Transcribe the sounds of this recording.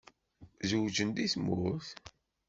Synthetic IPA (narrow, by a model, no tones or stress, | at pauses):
zuwd͡ʒənd̪iθmʊθ